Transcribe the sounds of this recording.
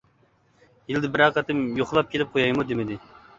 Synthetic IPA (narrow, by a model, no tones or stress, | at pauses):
jild̪ɪbɪɾɑqɑt̪ɨmjoχlˠɑp̚kʲʰelɪp̚qʰojɑjmud̪emɪd̪ɪ